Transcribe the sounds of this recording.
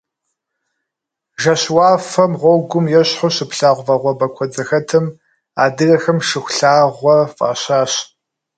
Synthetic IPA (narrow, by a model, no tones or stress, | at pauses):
ʒɐɕwɑːfɐmʁʷɔɡʷʊmjɛɕħʊɕɪpɬaːʁʷvɐʁʷɔbɐkʷʰɔd͡zɐxɐtʰɨm | aːdɨrɐxɐmʂɨxʷɬaːʁʷɔfʼa̰ːɕaːɕ